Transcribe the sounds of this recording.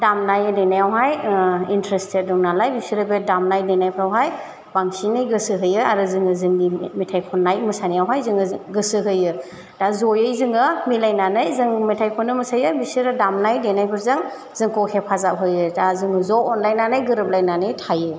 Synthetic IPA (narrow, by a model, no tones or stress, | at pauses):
damnajɯdejnajawɦajintɾestet̚dɔŋnalajbisiɾɯbedamnajdenajpʰɾawɦaj | baŋsinɯjɡɯsɯɦɯjɯaɾɯzɯŋɯzɯŋdimetʰajkʰɔnːajmɯsanijawɦajzɯŋɯɡɯsɯɦɯjɯ | dazɔjɯjzɯŋɯmilajnanɯjzɯŋmetʰajkʰɔnɯmɐsajɯbisɯɾɯdamnajdenajpʰɯɾzɯŋ | z̥ɯŋkɔkʰepʰazap̚ɦɯjɯdazɯŋɯzɔɔnlajnanɯjɡɯɾɯp̚lajnanɯjtʰajɯ